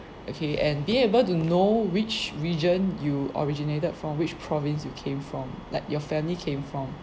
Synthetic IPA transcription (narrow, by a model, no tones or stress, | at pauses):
ʔokʰeʔɛ̃nbĩebəltunowɪt͡ʃɹid͡ʒə̃njuɔ̰ɹid͡ʒinetəd̥fɹɔ̃mwɪt͡ʃpʰɹɔvɪ̃nsjukʰẽmfɹɔ̃mlaɪkjɔfɛ̃mlikʰẽmfɹɔ̃m